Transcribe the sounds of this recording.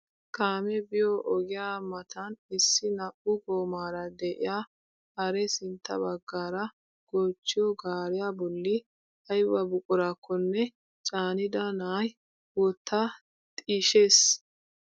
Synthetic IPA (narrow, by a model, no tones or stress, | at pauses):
kʰaːmɛbɪjɔʔɔɡɪjaːmɐt̪ʰɐnɪsːɪnɐʔʊɡoːmaːɾɐd̪ɛʔɪ̰jaː | hɐɾɛsɪnt̪ːɐ̰bɐɡːaːɾɐ | ɡ̥oːt͡ʃːɪjɔɡaːɾɪjaːbɔlːɪ | hɐjbɐbʊkʼʊɾaːkʰːɔnːɛ | t͡ʃʼaːnɪd̪ɐnaːj | wɔt̪ːa | t̪ʼiːʃe̞ːs